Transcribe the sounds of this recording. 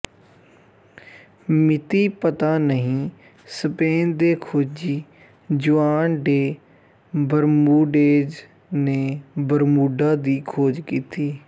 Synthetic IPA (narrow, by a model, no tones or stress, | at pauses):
mɪt̪iːpət̪aːnəɦĩː | səpeːnd̪eːkʰoːd͡ʒiː | d͡ʒʊaːnɖeː | bəɾmuːɖeːd͡ʒ | neːbəɾmuːɖaːd̪iːkʰoːd͡ʒkiːt̪iː